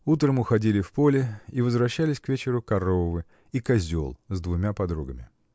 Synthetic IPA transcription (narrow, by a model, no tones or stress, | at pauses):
ut̪ɾəmʊxɐdʲilʲɪfpolʲɪivəzvɾɐɕːælʲɪsʲkvʲet͡ɕɪɾʊkɐɾovɨ | ikɐzʲo̞̰lˠzd̪vʊmʲapɐd̪ɾuɡəmʲɪ̰